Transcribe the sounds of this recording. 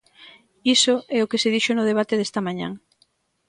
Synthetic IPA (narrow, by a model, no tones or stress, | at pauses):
isoɛʊkeseðiʃonʊð̞eβ̞at̪eðest̪ɐmãɲã̰ŋ